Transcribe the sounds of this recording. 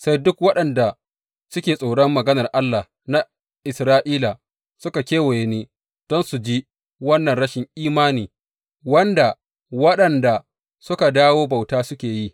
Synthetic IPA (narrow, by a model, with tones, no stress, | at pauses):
sa˦jdʊ˦kwɐ˦ɗɐ˨nda˨ | sʊ˦kʲeː˨sʼoː˨ɽɐ˦mːɐ˨ɡɐ˦nɐ˨rʔa˦lːa˨ | na˦ | ʔɪ˨sɾaː˦ʔiː˦la˨ | sʊ˦ka˨kʲeː˦wɐ˨je˨neː˦ | d̥ɔ˦nsu˨d͡ʒi˦ | wɐ˦nːɐ˨nɽɐ˦ʃɪ˨ŋʔiː˦maː˦niː˨ | wɐ˦nda˨ | wɐ˦ɗɐ˨nda˨ | sʊ˦ka˨daː˦woː˦ba˨wtaː˦sʊ˦kʲeː˨ji˦